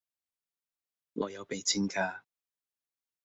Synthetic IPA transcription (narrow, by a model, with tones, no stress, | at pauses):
ŋʔɔ̰ː˨˧jɐ˨˧wpe˨jt͡sʰɪ˥ŋkʰaː˧